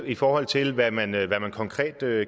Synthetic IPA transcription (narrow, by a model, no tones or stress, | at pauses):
ifɒːhɒ̽l̰t͡sʰe̝lʋæmænʋæmænkʰɒ̽ŋkʰʁɛ̰ːd̥ø